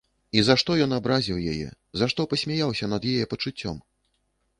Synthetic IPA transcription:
izaʂt̪ɔjɔnabɾazʲiwja̰jɛ̰ | zaʂt̪ɔpɐsʲmʲajawsʲɐnɐd̪jajɛpɐt͡ʂut͡sʲːɔ̰m

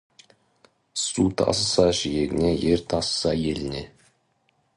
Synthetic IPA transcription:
sut̪ʰɑ̰səsɑʒijeɡʲɪne̞je̞ɾt̪ʰɑsə̥sɑje̞lɪne̞

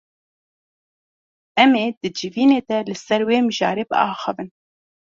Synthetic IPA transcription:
ɛmeːd̪̥ɨd͡ʒɨviːneːd̪ɛlɨsɛɾweːmɨʒɑ̰ːɾeːbɨ̰ɑːxɨ̰vɨn

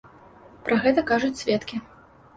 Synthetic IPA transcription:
pɾʔɐɣɛt̪ɐkaʐut͡sʲsʲvʲɛt̪kʲi

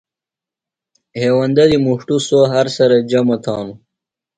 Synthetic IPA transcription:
heːwɐnd̪ad̪imuʂʈusoɦaɾsɐɾɐd͡ʑamɐt̪ʰɑːnu

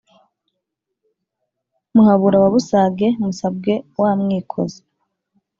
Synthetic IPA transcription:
muhaβuɾaβaβusaɡe̞musab̚ɡe̞waːmŋiːkʰo̞̰ze

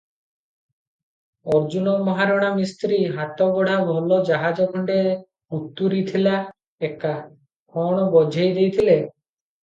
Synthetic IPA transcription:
ɔɾd͡ʒunɔmɔɦaɾɔɽ̃amist̪ɾiɦat̪ɔɡɔɽ̤abʱɔlɔd͡ʒaɦad͡ʒɔkʰɔɳɖe | ut̪ːuɾit̪ʰila | eka | kʰɔɽ̃ɔbɔd͡ʒʱejd̪ejt̪ʰile

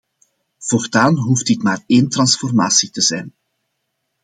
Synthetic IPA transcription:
v̥ɔrtaːnɦuft̚dɪtmaːreːntrɑnsfɔrma̰ːsitəzɛjn

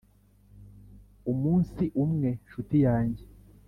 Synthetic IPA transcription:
umuːnsiʔumŋe̞ʃutijaːɲɟe̞

